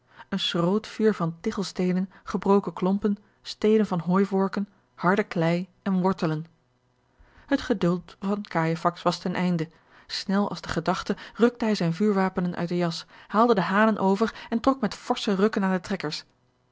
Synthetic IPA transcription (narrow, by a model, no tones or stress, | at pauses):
ənsrowtfyːɹvɑntɪχəlˠstejnənχəbrowkəklɔmpən | stejdənvɑnɦoːjvɔɹkən | hɑɹdəklɛjɛnʋɔɹtələn | hətχədɵlˠtvɑnkaːjəfɑksʋɑstɛnʔɛjndə | snɛlˠɑ̰lˠzdəχədɑχtərɵk̚təɦɛjzɛjnvyːɹʋaːpənənʔœ̰ɥt̚dəjɑshaːlˠdədəɦaːnənʔowvəɹɛntrɔkmɛtfɔɹsərɵkənaːndətrɛkəɹs